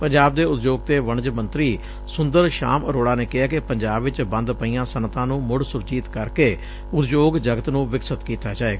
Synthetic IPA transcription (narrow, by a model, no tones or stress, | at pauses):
pəɲd͡ʒaːb̚d̪eːʊt̪d͡ʒoːɡ̚t̪eːʋəɳd͡ʒmə̃nt̪ɾiː | sʊnd̪əɾʃa̰ːməɾoːɽaːneːkɪɦaːkɪpəɲd͡ʒaːbʋɪt͡ʃbə̃nd̪pəiːãːsənt̪ãːnũːmʊɽsʊɾd͡ʒiːt̪kəɾkeː | ʊt̪d͡ʒoːɡd͡ʒəɡət̪nũːʋɪksət̪kiːt̪aːd͡ʒaːeːɡaː